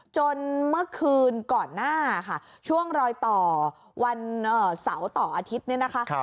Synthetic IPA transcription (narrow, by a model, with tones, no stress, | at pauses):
t͡ɕo˧nmɯ˥˩ɐəkʰɯː˧nkɔː˨˩nːaː˥˩kʰa˥˩ | t͡ɕʰu˥˩əŋɾɔː˧jt̪ɔː˨˩ | wa˧nʔəː˨˩sa˩˦wt̪ɔː˨˩ʔaː˧t̪ʰi˦˥t̪̚ni˦˥˩ɐna˦˥kʰa˦˥ʔ